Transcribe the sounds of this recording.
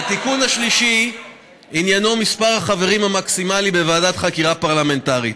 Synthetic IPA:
at̪ikunaʃliʃi | injano̞mispaʁaχave̞ʁimhamaksimalibe̞vaːdat̪χakiʁapaʁlame̞ntaʁit

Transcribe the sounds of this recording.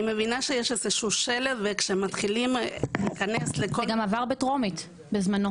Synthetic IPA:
imevinaʃejeʃezeʃuʃelevvekʃemat̪χilimikaneslekoɡamavaʁbetʁo̞mit̪ | bezmano̞

